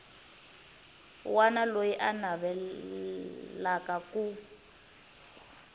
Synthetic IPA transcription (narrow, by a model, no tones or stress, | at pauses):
wanalojiʔanaβɛ | lakaku